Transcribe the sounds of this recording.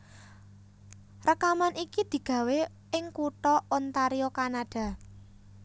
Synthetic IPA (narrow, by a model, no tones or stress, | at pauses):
rəkamanʔikid̪̥i̤ɡ̥ä̤we | ɪŋkuʈ̪ɔɔnt̪aɾiokanaɖ̥a̤